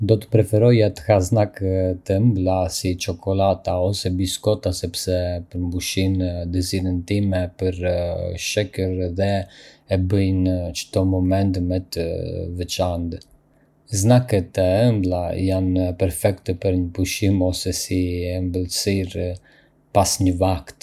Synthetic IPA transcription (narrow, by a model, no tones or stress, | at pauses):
d̪ɔt̪ə̥pɾɛfɛɾɔjat̪ə̥haznakt̪əmblasit͡ʃɔkʰɔlat̪aɔsɛbiskɔt̪asɛpsɛpəɾmbuʃind̪əzilənt̪imɛpəɾʃɛkəɾðɛː | bəjnət͡ʃət̪ɔmɔmɛnt̪mɛt̪əvɛt͡ʃand̪ | znakɛt̪əɛmblajanpɛɾfɛkt̪əpəɾɲəpuʃimɔsɛsiɛmbəlˠsiɾ | pasɲəvakt̪